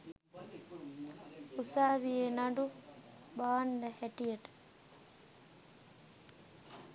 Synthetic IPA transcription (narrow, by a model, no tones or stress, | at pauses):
usaːʋijenaɖu | baːnɖəhæʈijəʈə̥